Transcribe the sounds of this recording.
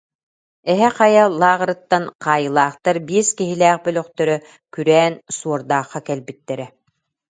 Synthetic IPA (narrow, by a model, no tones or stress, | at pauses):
ɛɦɛqajalˠaːʁɾɯt̪ːanqaːjɯlˠaːχt̪aɾbiːskiɦilɛːχbœlœqt̪œɾœ | kyɾɛːnsuɔɾd̪aːχːakɛlbit̪ːɛɾɛ